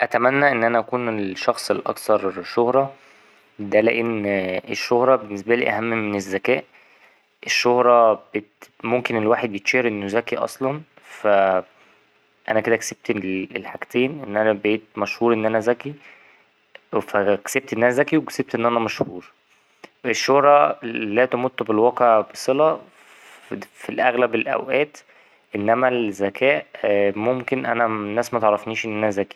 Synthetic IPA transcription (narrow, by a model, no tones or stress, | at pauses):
ʔæt̪æmænːæʔenːʔænæʔækuːneelʃɑxsˤelʔɑ̰kt̪ɑɾˤʃohɾˤɑ | d̪ælæʔenːeʃːohɾˤɑbenːesbælḭːʔæɦæmːmenezːækæːʔ | ʔeʃːohɾˤɑbet̪momkenelwaːħed̪̚bjet̪ʃeɾʔenːozækiʔɑ̰sˤlɑn | fæ | ʔænæked̪ækseb̥̚t̪elḛlħaɡt̪eːnʔenːʔænæbeːt̪̚mæʃhuːɾʔenːʔænæzæki | fækseb̚t̪ʔenʔænzækiwekseb̚t̪ʔenːʔænæmæʃhuːɾ | ʔeʃːohɾˤɑlːæːt̪omut̪ːbelwɑqeʕbesˤelɑ | filʔæɣlæbelʔæ̰wʔæːt̪ | ʔenːæmæzækʰæːʔmomkenʔænænːæːsmæt̪eʕɾˤːɑfniːʃʔenːʔænæzæki̥